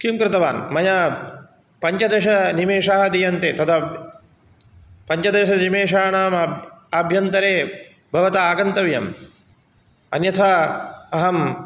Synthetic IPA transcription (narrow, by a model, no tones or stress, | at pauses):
kimkɾɪt̪ɐʋaːnmɐjɐ | pɐɲt͡ʃɐd̪eʃɐnimeːʂaːɦɐd̪ijɐnt̪eːt̪ɐt̪ʰɐ | pɐɲt͡ʃɐd̪eːʃɐnimeːʂaːnaːmaːbʱjɐnt̪ɐɾeː | bʱɐʋɐt̪aaːɡɐnt̪ɐʋjɐ̰m | ɐ̰njɐt̪ʰaɐɦɐm